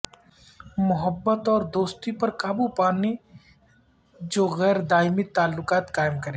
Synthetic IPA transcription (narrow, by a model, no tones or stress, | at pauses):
mʊɦəbːət̪ɔːɾd̪oːst̪ipɐɾkaːbupaːne | d͡ʒoːɣɛːɾd̪aːɪmɪt̪aːlːʊkaːt̪kaːɪmkɐɾẽː